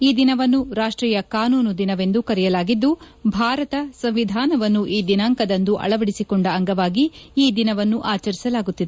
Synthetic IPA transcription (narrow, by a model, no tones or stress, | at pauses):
iːd̪inɐʋɐnːuɾaːʂʈɾiːjɐkaːnuːnud̪inɐʋe̞nd̪ukɐɾɛjɐlaːɡid̪ːu | bʱaːɾɐt̪ɐsɐmʋid̪ʱaːnɐʋɐnːuʔiːd̪inaːŋkɐd̪ɐnd̪uʔɐ̰ɭɐʋɐɽisikɔɳɖɐːŋɡɐʋaːɡiiːd̪inɐʋɐnːuʔaːt͡ʃɐɾisɐlaːɡut̪ːid̪e